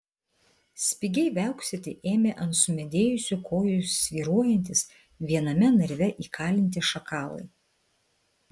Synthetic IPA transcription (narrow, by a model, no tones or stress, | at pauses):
sʲpʲɪɡʲɛɪʋʲæˑʊksʲet̪ʲɪʔeːmʲeːʔɐnt̪sʊmʲɛd̪ʲeːjʊsʲʊkʰoːjʊsʲʋʲiːɾuɔjɛnʲt̪ʲɪs | ʋʲiɛnɐmʲɛnɐɾʲʋʲɛʔiːkʰɑːlʲɪnʲt̪ʲɪʃɐkʰɑːlˠɐ̰ɪ